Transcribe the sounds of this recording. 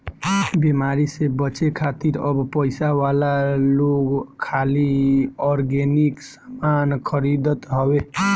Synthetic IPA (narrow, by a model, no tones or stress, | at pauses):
bemaɾisebət͡ʃekʰat̪iɾəbpəjsawalaloɡkʰːaliɔɾɡeniksamankʰəɾid̪ət̪ɦɔwe